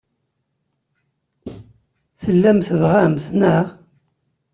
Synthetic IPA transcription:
θəlːæmθəvʁæmθnəʁ

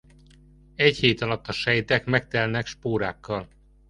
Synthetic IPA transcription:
ɛcheːt̪ɒlɒt̪ːɒʃɛjt̪ɛkmɛk̚t̪ɛlnɛkʃpoːɾa̰ːkːɒl

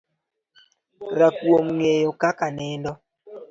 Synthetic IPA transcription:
ɾakwomŋejokakanɛndɔ

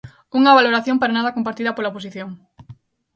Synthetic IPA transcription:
uŋɐβaloɾaθjõmpaɾanaðɐkompaɾt̪iðɐpolaopos̬iθjoŋ

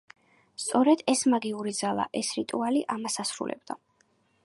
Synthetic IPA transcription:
st̪sʼɔɾɛd̪ɛsmaɡiuɾid̪zalˠa̰ʔɛsɾit̪ʼualiʔamasasɾṵlʔɛ̰b̚d̪a̰

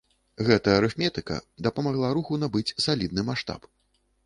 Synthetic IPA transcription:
ɣɛt̪ɐjɐɾɛfmʲɛt̪ɨkɐ̰d̪ɐpɐmaɣlˠaɾuxunabɨt͡sʲsalʲid̪̚nɨmaʂt̪a̰p

